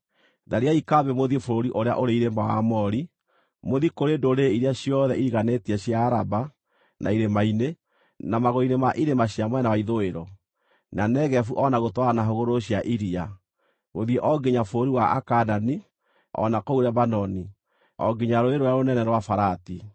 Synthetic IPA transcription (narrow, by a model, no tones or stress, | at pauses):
ðaɾiaikaβemoðiefoɾoɾiʔoɾea̰ʔoɾeiɾemawa̰mɔɾi | moðikoɾendoɾeiɾeaɕjɔðɛiɾiɣanetiɛɕjaːɾaba | na̰iɾemaine | namaɣoinemaʔiɾemaɕiamwɛnawaiðoeɾɔ | nanɛɣɛfuʔɔnaɣotwaɾanaɦoɣoɾoɕjaʔiɾia | moðjeʔɔɡeɲafoɾoɾiwaʔa̰kanani | ɔ̰nakouɾaβanɔni | ɔ̰ɡeɲaɾoeɾoɾaɾonɛnɛɾwafaɾati